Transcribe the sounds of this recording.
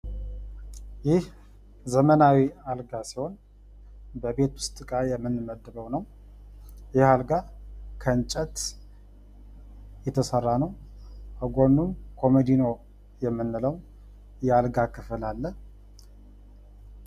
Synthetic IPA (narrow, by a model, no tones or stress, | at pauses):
jɪh | zəmənawialɡasiho̞n | bəbe̞t̪wʊst̪ʼɨkʼajɛmːɨnməd̪ːɨbəwnəw | jɪhalɡakʰəɨnt͡ʃʼət̪ | jɛt̪ʰəsərːanəwəɡo̞nːumkʰo̞med̪ino̞ | jɛmːɨnːɨləw | jɛalɡakʰɨflalːəh